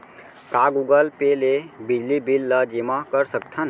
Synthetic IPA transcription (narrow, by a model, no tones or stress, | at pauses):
kaːɡuɡəlpeːlebɪd͡ʒlibilːad͡ʒimakəɾsək̚t̪ʰən